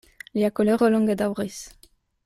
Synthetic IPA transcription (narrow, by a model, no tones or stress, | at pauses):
liakolɛʁəlɔ̃ŋɡed̪awʁis